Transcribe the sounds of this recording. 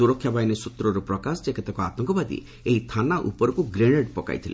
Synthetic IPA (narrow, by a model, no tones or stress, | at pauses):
uɾɔkʰːjabajnesut̪ɾɔɾupɾɔkasɔd͡ʒekʰet̪akɔat̪ɔŋkɔbad̪ḭ | eɦit̪ʰanaʔṵpɔɾɔkuɡɾeɽ̃eɖpɔka̰jt̪ʰilḛ